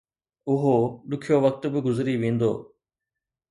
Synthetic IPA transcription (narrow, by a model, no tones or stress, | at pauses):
ʊɦoɗʊkʰijoʋɐk̚t̪bɪɡʊzɾiʋẽːn̆d̪o̰ː